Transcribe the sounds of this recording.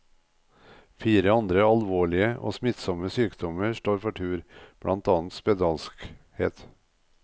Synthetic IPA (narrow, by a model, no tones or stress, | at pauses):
fiːɾəɑnd̪ɾəɑlʋoːɭɪəʔo̰ːsmɪt̪sɔməsyːkd̪ɔməʃʈoːɾfɔʈʰʉːɾb̥ɽʔɑ̰nt̪ɑːnt̪spɛd̪ɑːlsk | hḛːt̪